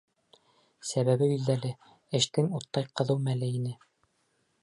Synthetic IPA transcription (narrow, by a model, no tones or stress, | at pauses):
sæβæβɘild̪ælɘ | ɘ̆ʃt̪ɘŋut̪ːɑjqɤ̆ðɤwmælɘinɘ